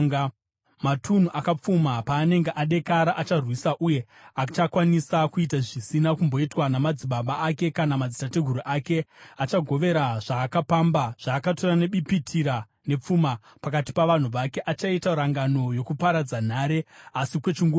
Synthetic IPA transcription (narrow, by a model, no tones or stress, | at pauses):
matʰun̤uʔakap͡fumapaːne̞ŋɡeʔaɗe̞kaɾaʔat͡ʃarwisaʔuje̞ | at͡ʃakwanisakuitaʐisinakumbo̞itwanamad͡ziɓaɓaːke̞kanamad͡zitateɡʱuɾuʔake̞at͡ʃaɡʱo̞ʋe̞ɾaʐ̥aːkapambaʐ̥aːkato̞rane̞ɓipitʰiɾa | ne̞p͡fuma | pakati̥paʋan̤uʋake̞ʔat͡ʃaitaɾaŋɡano̞jo̞kupaɾad͡zan̤aːɾe̞asikwe̞t͡ʃiŋɡu